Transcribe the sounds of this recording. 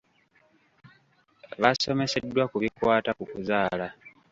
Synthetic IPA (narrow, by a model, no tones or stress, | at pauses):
βaso̞me̞se̞dːwakuβikwaːtakukuzaːla